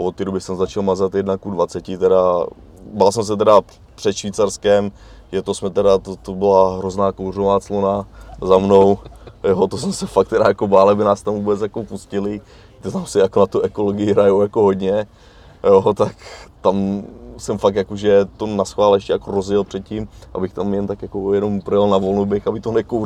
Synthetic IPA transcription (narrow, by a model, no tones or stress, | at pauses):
vot̪ːidobɪsɛmzat͡ʃalmazat̪jɛdnakudvat͡sɛcɪt̪ɛɾa | balsɛms̬ɛt̪ɛɾa | pr̥ɛt̪ʃviːt͡saɾskɛm | jɛt̪osmɛt̪ɛɾat̪ot̪obɪlaɦɾoznaːkowrovaːt͡slonazamnowjoːt̪osmɛsɛfak̚t̪ɛdajakobaːlɛbɪnaːst̪amvuːbɛt͡sjakopuscɪlɪ | t̪ot̪amsɪjakonat̪uʔɛkoloɡɪjɪɦɾajowjakoɦod̪ɲɛ | jot̪akt̪amsɛmfak̚t̪jakoʒɛt̪onasxvaːlɛʃcɛjakoɾozjɛlpr̝̥ɛt̪̚cimʔa̰bɪxt̪amjɛnt̪akjakojɛno̞mpɾjɛlnavolnobɪxabɪt̪onɛko